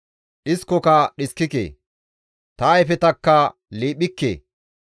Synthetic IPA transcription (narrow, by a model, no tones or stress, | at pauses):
ɗɪskːɔkɐɗɪskːɪkḛː | t̪ɐjfɛt̪ɐkːɐ | liːɓɪkːḛː